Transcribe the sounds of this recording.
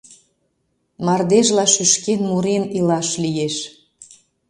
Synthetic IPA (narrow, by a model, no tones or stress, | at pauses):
mɑrd̪eʒlɑʃyʃkenmuɾenilɑʃlijeʃ